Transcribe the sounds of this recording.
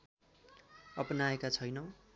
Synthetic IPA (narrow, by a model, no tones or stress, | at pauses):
ʌpnaekat͡sʰʌjnʌ